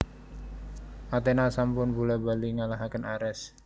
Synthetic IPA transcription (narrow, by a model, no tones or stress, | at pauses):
ʔat̪enasampʊnbulɛbaliŋalaɦakənaɾɛs